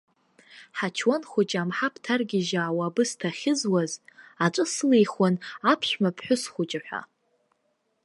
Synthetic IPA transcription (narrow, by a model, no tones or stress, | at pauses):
ħat͡ʃʰwanχʊt͡ʃʼamħapʰtʰarɡʲɪʒaːwaːbɨstʰaχʲɪzwazat͡ʃʷʼɨslejχwanapʰʃʷᶣmapʰħʷᶣʊsχʷʊt͡ʃʼaħʷᶣa̰